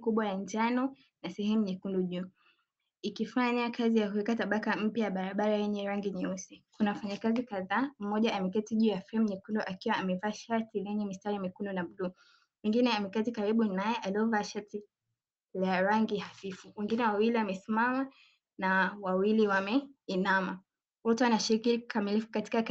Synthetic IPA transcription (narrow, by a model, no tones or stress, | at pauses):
kuɓwajand͡ʒanɔ | nasɛhɛmuɲikundɔʄuː | ikifaɲakazijakuikataɓakam̩pjajaɓaɾaɓaɾajɛɲɛɾaŋɡiɲɛusikunafaɲakazikaðaːm̩mɔʄaʔːmɛk̬ɛtiʄujafɛɛm̩ɲikunduʔakiwaamɛvaːʃaɾtilɛɲɛmistaɾiamɛkundɔnamuɗuː | wɛŋɡinɛamɛkɛtikaɾiɓunajɛʔaliɔvaːʃati | laɾaŋɡihafifuwɛŋɡinɛwawiliwamɛsimama | nawawiliwamɛinama | wɔtuanaʃiɾikikʰamilifu̥kati̥kak